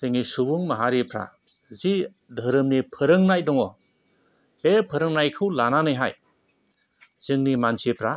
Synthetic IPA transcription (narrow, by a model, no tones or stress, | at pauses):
teŋisubuŋmɐɦaɾipʰɾa̰ | zi | dʱəɾɯmnipʰɯɾɯŋnajdɔŋɔ | b̥epʰɯɾɯŋnajkʰɯwlananɯjɦaj | z̥ɯŋnimansipʰɾa